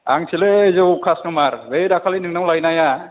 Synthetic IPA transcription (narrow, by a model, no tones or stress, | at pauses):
a̰ŋsʰilezowkʰasnumaɾbejɾakʰalinɯŋnawlajnaja